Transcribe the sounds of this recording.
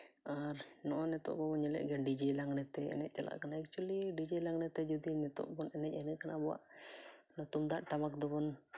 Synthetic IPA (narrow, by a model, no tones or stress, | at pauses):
arnɔʔɔnɛt̪ɔ̰ʔbɔbɔnɲɛlɛ̰ʔɡɛnɖid͡ʒɛlaŋnɛt̪ɛɛ̰nɛ̰ʔ̚t͡ʃala̰ʔkanaɛk̚t͡ʃualiɖid͡ʒɛlaŋnɛt̪ɛd͡ʒɔd̪inɛt̪ɔ̰ʔbɔnɛnɛʔ̚ɛnɛʔkanabɔwa̰ʔnɔt̪ɔmd̪aʔʈamak̚d̪ɔbɔn